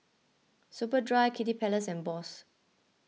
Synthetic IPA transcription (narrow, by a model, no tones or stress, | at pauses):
supədɹajkʰitipʰɛləsɛ̃nbɔs